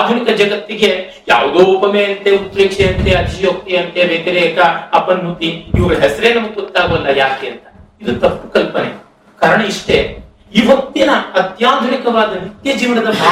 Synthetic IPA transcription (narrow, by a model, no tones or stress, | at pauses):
d̪ʱunikɐd͡ʒɐɡɐt̪ːiɡe | ja̰ːʋd̪oːpɐmeːɐnt̪eut̪ɾeːkʂeɐnt̪eɐd͡ʒ̪ijoːk̚t̪iɐnt̪eʋeɡɐɾɛːkɐɐpɐnmut̪iiʋɐɡɐɦɛsɐɾeːnɐmɐɡut̪ːaːʋɐlːɐjaːkeɐnt̪ɐid̪ut̪ɐpːu̥kɐlpɐnḛ | kaːɾɐɳɐiʂʈe | iːʋɐk̚t̪ːinɐɐt̪jaːd̪ʱunikɐʋaːd̪ɐnit̪jɐd͡ʒiːʋɐnɐd̪ɐ